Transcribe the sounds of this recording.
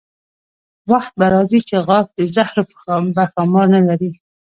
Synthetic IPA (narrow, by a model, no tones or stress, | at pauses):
waxt̪̚baɾɑzit͡ʃeɣɑk̚d̪əzahɾopbaɾxɑmɑɾnalaɾi